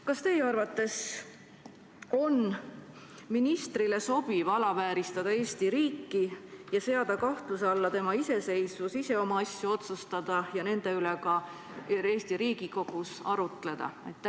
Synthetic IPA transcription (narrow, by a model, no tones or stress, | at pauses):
kɑst̪e̞jeɑrvɑt̪ːˑe̞s | o̞n | minist̪ɾile̞so̞b̥ivɑlɑvæːɾist̪ɑd̪̥ɑe̞ːst̪iɾiːkːijɑse̞ɑd̪̥ɑkɑht̪lusɑlːɑt̪e̞mɑise̞se̞jsvusise̞o̞mɑɑsjuo̞t̪sust̪ɑd̪̥ɑjɑne̞nd̪̥e̞yle̞kɑ | e̞ːst̪iɾiːɡ̥iko̞ɡ̥usɑɾut̪ˑle̞d̪̥ɑ̰ɑ̰jt̪ːˑæ